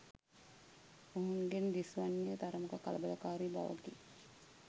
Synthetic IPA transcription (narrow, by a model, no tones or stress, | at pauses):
oɦunɡend̪isʋanːijət̪aɾəmukəkaləbələkaːɾiba̰ʋə̰ɡi